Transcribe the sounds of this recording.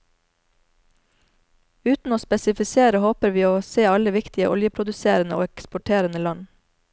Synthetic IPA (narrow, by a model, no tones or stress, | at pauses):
ʉːt̪n̩oːspɛsɪfɪseːɾəhoːpəɾʋiːoːseːɑləʋɪkt̪ɪəʔɔljəpʰɾʊd̪ʉseːɾənə̰ʔo̰ːɛkspʊʈʰeːɾənəlɑn